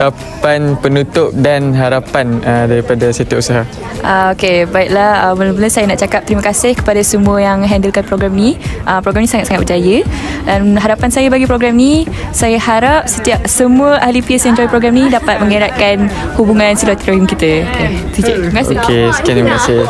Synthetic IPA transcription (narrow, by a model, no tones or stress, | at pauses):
a | panpənut̪ʊp̚danɦaɾapanədaɾipadaset̪ausaɦa | ʔaokebaiʔ̚lahəbəlabəlasajanaʔt͡ʃakap̚t̪əɾiməkasɪhkə̥padasəmũəjaŋɦɛndəlkanpɾoɡɾamniʔəmpɾoɡɾamnĩsaŋat̪̚saŋat̪̚pəd͡ʒajədanɦaɾapansajabaɡipɾoɡɾamni | sajahaɾap̚sət̪iap̚səmuəʔalipiəsjãɲd͡ʒɔjpɾoɡɾamnĩdapat̪̚məŋiɾat̪̚kan | hubuŋãnsilat̪iɾoimkit̪əoket̪id͡ʒʔməkaɪ̰kesə̥kianibəkasɪh